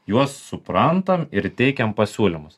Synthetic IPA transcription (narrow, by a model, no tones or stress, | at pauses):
juɔsːʊpɾɐnt̪ɐmɪɾt̪ʲɛɪkʲɛmpɐsʲuːlʲɪmʊs